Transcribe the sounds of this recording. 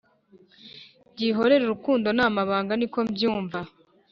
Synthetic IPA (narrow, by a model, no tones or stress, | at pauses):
bɟiːɦo̞ɾe̞ɾuɾukuːndo̞namaβaːŋɡaniko̞bjuːɱva